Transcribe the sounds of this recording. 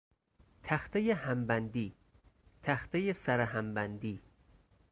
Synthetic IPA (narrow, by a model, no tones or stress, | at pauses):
t̪ʰæxt̪ʰejehæmbænd̪iː | t̪ʰæxt̪ejesæɾeɦæmbænd̪iː